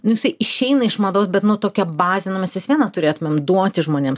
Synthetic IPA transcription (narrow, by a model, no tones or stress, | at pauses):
nʊjɪsɐɪɪʃʲɛɪnɐɪʃmɐd̪oːsbʲɛt̪nʊt̪oːkʲɛbɑːzʲɛnʊmʲɛsʋʲɪsʋʲiɛnɐt̪ʊɾʲeːt̪ʊmʲeːmd̪uɔt̪ʲɪʒmoːnʲeːms